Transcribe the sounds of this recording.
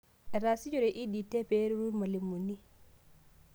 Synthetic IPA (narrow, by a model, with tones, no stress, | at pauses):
ɛɾa˨si˦d͡ʒɔɾɛ˨ʔi˦di˨tɛ˦pɛ˦ɾuɾu˦nma˨li˨mːu˨nːi˦